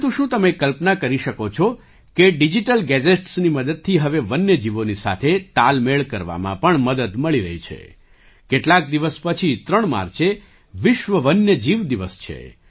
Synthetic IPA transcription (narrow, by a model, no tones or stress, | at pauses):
t̪ũʃũt̪əmekəlpnakəɾiʃəkot͡ʃʰo | keɖid͡ʒiʈəlɡɛd͡ʒeʈsniməd̪əd̪̚t̪ʰiɦəʋeʋənːjəd͡ʒiʋonisa̰t̪ʰet̪almeɭkəɾʋa̰mã̰pəɳməd̪əd̪məɭiɾə̰ɦit͡ʃʰḛ | keʈlak̚d̪iʋəspət͡ʃʰit̪ɾəɳma̰ɾt͡ʃʰe | ʋɪʃʋəʋənjəd͡ʒiʋd̪iʋəst͡ʃʰḛ